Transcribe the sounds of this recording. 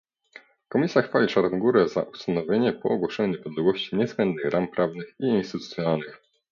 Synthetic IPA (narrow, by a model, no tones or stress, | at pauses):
kɔmʲisʲjaxfalʲit͡ʂaɾnɔɡuɾɛza̰ʔust̪anɔvʲjeɲɛpɔːɡwɔʂɛɲuɲɛpɔd̪lɛɡwɔɕt͡ɕiɲɛzbɛnd̪̚nɘxɾʔampɾavnɘxiinst̪ɘt̪ut̪sjɔnalnɘx